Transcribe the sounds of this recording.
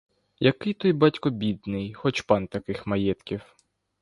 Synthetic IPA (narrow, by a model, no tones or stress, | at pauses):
jɐkɪjt̪ɔjbɑtʲkɔbʲid̪nɪjxɔt͡ʃpɑnt̪ɐkɪxmɐjɛt̪kʲiw